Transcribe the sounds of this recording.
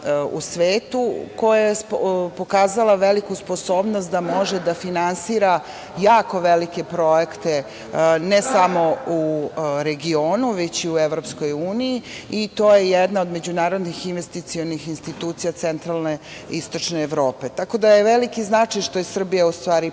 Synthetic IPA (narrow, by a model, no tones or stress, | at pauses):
ṵsʋeːt̪uko̞jajepo̞kaːzalaʋe̞likuspo̞so̞ːbnost̪d̪amo̞ʒed̪afinansiːɾa | jaːko̞ʋelike̞pɾo̞jekt̪e | nesamo̞uɾeɡio̞ːnuʋet͡ɕiueʋɾo̞p̪sko̞juːnijiit̪o̞ːjejed̪nao̞d̪me̞d͡ʑunaːɾo̞d̪nixinʋest̪it̪sio̞nixinst̪it̪uːt̪sijat̪sent̪ɾaːlˠne̞ | ist̪o̞t͡ʃneːʋɾo̞ːpe̞t̪ako̞d̪ajeʋelikiznaːt͡ʃajʃt̪o̞jesr̩bijaust̪ʋaːɾi